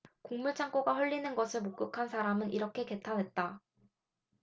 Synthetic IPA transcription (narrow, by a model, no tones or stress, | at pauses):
koŋmuɭt͡ɕʰaŋk͈oɡaɸwʌʎːinɯnɡʌsʰɯɭmok͈ɯkʰansʰaɾamɯnʔiɾʌkʰe̞ke̞tʰanɦe̞t̚t͈a